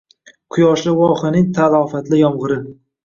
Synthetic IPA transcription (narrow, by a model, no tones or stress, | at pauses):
qʰʊjɒʃlɪwɒχɪnɪŋt̪ʰalˠɒfat̪lɪjɒmʁɨɾɪ